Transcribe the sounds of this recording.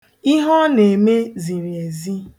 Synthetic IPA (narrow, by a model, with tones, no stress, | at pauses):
i˦ɦɔ˦ne˨me˦zi˨ɾje˨zi˦